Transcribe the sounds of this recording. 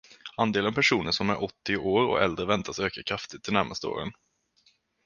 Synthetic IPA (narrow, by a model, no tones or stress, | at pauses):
and̪eːlənpʰæʂuːnəʂɔmæɾʔɔt̪ːɪoːɾɔ̰ɛld̪ɾəvɛnt̪ʰasøːkakʰɾaft̪ɪt̪ʰːɪlnæɾmast̪əo̰ːɾə̰n